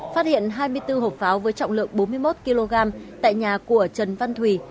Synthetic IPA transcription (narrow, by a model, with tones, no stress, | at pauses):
fa˦˥t̚hḭ˧˨ənɦaː˧jmɨ˧əjt̪ɨ˧ɦo˨˩p̚faː˨˦wvəː˨˦jt͡ɕɔ̰˧˨ŋ͡mlɨ̰˧˨əŋ̚ɓo˨˦nmɨ˧əjmo˦˥t̚ki˧lo˧ɣaː˧mt̪a̰ː˧˨jɲaː˨˩ku˧˩ət͡ɕə˨˩nva˧nt̪ʰwi˨˩